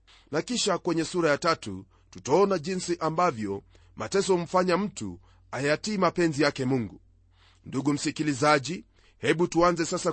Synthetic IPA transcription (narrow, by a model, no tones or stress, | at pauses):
nakiʃakwɛɲɛsuɾajatatṵ | tutaɔnaʄinsiʔambavjɔ | matɛsɔm̩faɲam̩tṵ | ajatiːmapɛnzijakɛmuŋɡu | nduɡum̩sikilizaʄi | hɛɓutuanzɛsasa